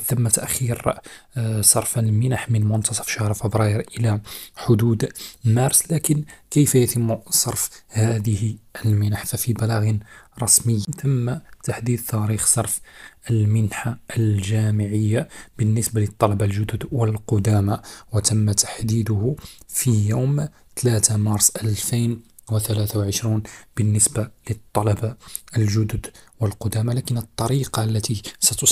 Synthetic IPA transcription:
t̪əmːæt̪æʔxiɾ | sˤɑɾˤfəlmɪnaħmənmʊnt̪ɑsˤɑ̥fʃahɾˤfəbɾˤɑjəɾʔəlaħʊd̪ud̪mæɾˤslækənkəjfæjæt̪əmːsˤɑɾˤfhæd̪əhʔəlmɪnaħfæfibælæɣnɾˤɑsməjːt̪ʰəmːat̪aħd̪iːd̪̚t̪æɾixsˤɑɾˤfəlmɪnħaəlʒæmɪʕəjːab̥ənːəsbalət̪ˤːɑlɑbalʒʊd̪ʊd̪wəlqʊd̪æmawət̪əmːat̪ḁħd̪iːd̪ʊhfijowm | t̪læt̪amɑɾˤsˤʔəlfijn | wət̪ælæθawʕəʃɾuːnb̥ənːəsbalət̪ˤːɑlɑbaəlʒʊd̪ʊd̪wəlqʊd̪æmalækənət̪ˤːɑɾiqɑlːæt̪isæt̪ʊ

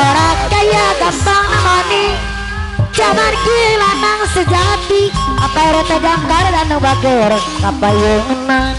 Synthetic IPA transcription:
ɾakajaɡamp̪aŋnamani | t͡ʃamankilanaŋsəd͡ʒat̪iapaɾɛt̪ad͡ʒaŋkaɾdanəŋbaɡeɾɛ | kapajoŋənaŋ

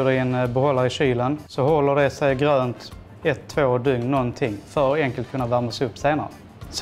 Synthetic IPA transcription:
ɖɛɛnbɛhɔlːaɾɪɕyːlənsɔhɔlːəɖɛsɛjɡɾøːnt̪ | ɛt̪ʰːvoːd̪ɵŋnɔnt̪ʰɪŋːfœɾɛŋkəlt̪kʰɵnːavæɾmasɛɪɵpːseːnaɾə̰ | s

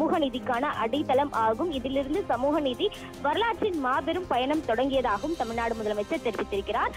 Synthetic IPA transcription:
uːɣɐnɪðɪkːaːnɐʔɐɽɪt̪ːɐlɐmʔaːɣɯmɪðɪlɪɾɯnd̪ɯsɐmuːɣɐnɪði | ʋɐɾɐlaːʈt͡ʃːɪnmaːbɛɾɯmpɐjɐɳɐmt̪ɔɽɐŋɡɪjɐðaːɣɐʋɯmt̪ɐmɪɻnaːɽɯmʊðɐlɐmɐɪt͡ʃːɐt̪ːɛɾɪʋɪt̪ːɪɾɯkːɪraːɾ

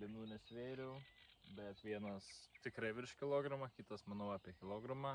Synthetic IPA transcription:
lʲɪnuːnʲɛsʲʋʲeːɾʲɛʊbʲɛt̪ʋʲiɛnɐst̪ʲɪkɾɐɪʋʲɪɾʃkʲɪlˠoːɡɾɐmɐkʲit̪ɐsmɐnɐʊɑːpʲiɛkʲɪlˠoːɡɾɐmɑ

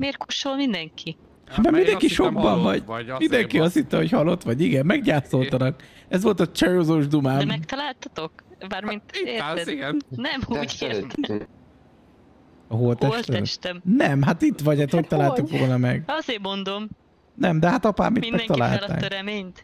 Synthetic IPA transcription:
meːrkoʃolmind̪ɛŋkʰi | hat̪mamind̪ɛŋkiʃoɡ̚bɒɱvɒɟmind̪ɛŋkiɒst̪hit̪ːɛhochɒlo̞t̪ʋɒɟiɡɛmmɛɡɟaːt̪so̞lt̪ɒnɒkɛzʋolt̪ɒt͡ʃɒjoːzoːʒd̪umaːmmɛkt̪ɒlaːlt̪ɒt̪o̞kbaːrmint̪e | nɛmuːɟeːt̪ɛ | ɒɦolt̪ɛʃlt̪ɛɛmʃt̪ɛmnɛmɦat̪it̪ʋɒɟhat̪hoc̚t̪ɒlaːlukʋo̞lnɒmɛɡɒzeːmo̞nd̪om | nɛmd̪ɛɦat̪ɒpa̰ːmːitmimɛɛŋk̪ːɒla̰ːltla̰ːøɾɛmeːɲt̪

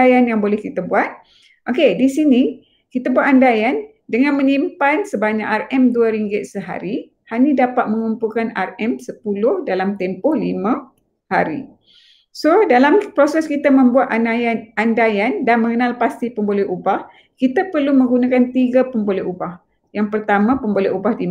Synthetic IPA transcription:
ajanjaŋbolɛhkit̪abuat̪̚ | ʔokedisini | kit̪abuat̪andajan | dəŋãnmə̃ɲimpansəbaɲakarɛmduaɾiŋɡɪt̪̚səɦa̰ɾi | hanĩdapat̪̚mə̃ŋumpulkana̰rɛmsəpulʊhdalamt̪ɛmpɔhlimã | haɾḭ | sodalampɾosɛskit̪amə̃mbuat̪aaanandajandanmə̃ŋənalpast̪ipəmbolɛɦubah | kit̪apərlumə̃ŋɡunakant̪iɡapəmbolɛhubah | jaŋpərt̪amãpəmbolɛʔubahdim

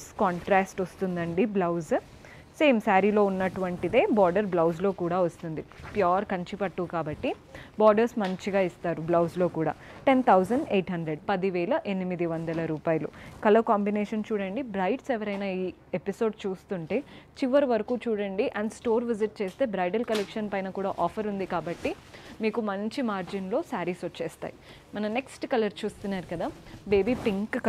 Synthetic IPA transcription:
skaːɳʈɾaːsʈost̪und̪ɐɳɖiblɐwz | seːmsaːɾiːlo̞ːunːɐʈuʋɐɳʈid̪e̞ːbaːɾɖɐɾblɐwzlo̞ːkuːɽaːʋɐst̪und̪ipjaːɾkɐɲt͡ʃipɐʈːuːkaːbɐʈːi | baːɾɖɐɾsmɐɲt͡ʃiɡaːist̪aːɾublɐwzlo̞ːkuːɽa̰ːʈe̞nt̪ʰɐwzɐɳɖe̞ːʈɦɐɳɖ̪ɾeɖpɐd̪iʋɛːlɐʔe̞nimid̪iʋɐnd̪ɐlɐɾuːpaːjɐlṵkɐlɐɾkaːmbineːʂɐnt͡ʃuːɽɐɳɖibɾɐjʈsɛʋɐɾɐjnaːiː | episo̞ːɖt͡ʃuːst̪uɳʈe̞ːt͡ʃiʋɐɾʋɐɾɐkuːt͡ʃuːɽɐɳɖiʔɐɳɖsʈo̞ːɾʋiziʈ̚t͡ʃe̞ːst̪e̞ːbɾɐjʈɐlkɐlekʂɐnpɐjnɐkuːɽaːʔɔːpʰɐɾund̪ikaːbɐʈːi | miːkumɐɲt͡ʃimaːɾd͡ʒinlo̞ːsaːɾisot͡ʃːeːst̪a̰ːji | mɐnɐmne̞ksʈkɐlɐɾt͡ʃuːst̪unːaːɾukɐd̪aːbeːbiːpiŋk

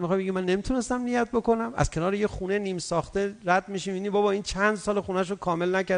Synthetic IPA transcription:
mixɒjbeɡimænːemit̪ʰune̞st̪æmnijæt̪̚boko̞næmæ̰z̥kʰe̞nɒːɾejeχuneniːmsɒːχt̪eɾæd̪̚miʃimiːnibɒːbɒːiːnt͡ʃʰænd̪sɒːleχunæʃ̬okʰɒːme̞lnæcæɾ

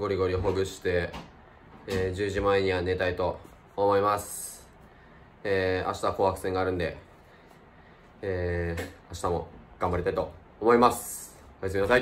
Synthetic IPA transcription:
ɡo̞ɾʲiɡo̞ɾʲioɦoɡɯ̟ɕi̥t̪e̞ | ʑɨːʑimaeɲ̟iβane̞t̪ait̪o̞ː | mo̞imasɨ̥ | eːa̰ɕi̥t̪ako̞ːhakɯ̟̥sẽ̞ŋɡaːɾɯ̟̃nd̪e̞̰ | eːaɕi̥t̪amo̞̰ɡ̥ãmbaɾʲit̪ait̪o̞ː | mo̞imasɨ̥ | ojasɨmʲinasai

